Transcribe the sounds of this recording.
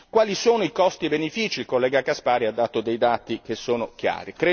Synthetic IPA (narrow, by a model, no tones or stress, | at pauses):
kwaːlisoːnoikɔst̪ibenefiːt͡ʃiilkolːɛːɡakaspaːɾiad̪ːaːt̪od̪ejd̪aːt̪ik̟esːoːnok̟ja̰ːɾikɾe